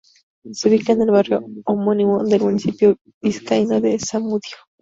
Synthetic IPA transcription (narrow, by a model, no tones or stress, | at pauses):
seβikand̪elβarjoːmonimond̪elmunisipjo̥ | iskainod̪esamuðjo